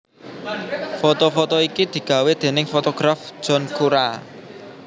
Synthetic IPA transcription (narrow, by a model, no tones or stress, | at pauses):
fot̪ɔfot̪ɔikid̪̥i̤ɡ̥ä̤wed̪̥e̤nɪŋfot̪ɔɡ̥ɾafʒ̥ɔ̤nkʰuɾa